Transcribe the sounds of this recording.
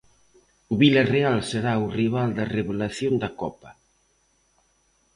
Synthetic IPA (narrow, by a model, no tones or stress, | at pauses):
ʊβilɐrealseɾaʊriβ̞ald̪ɐreβolaθjond̪ɐkɔpɐ